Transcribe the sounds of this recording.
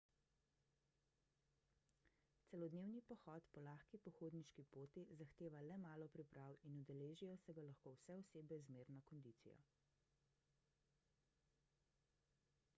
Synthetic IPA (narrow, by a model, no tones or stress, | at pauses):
t̪sɛlɔd̪neːwnipɔxɔːt̪pɔlaːxkipɔxoːd̪niʃkipoːt̪izaxt̪eːʋalɛmaːlɔpɾipɾawinud̪ɛleːʒijɔsɛɡalaxkoːwsɛɔseːbɛzmeːɾnɔkɔnd̪it̪sḭjɔ̰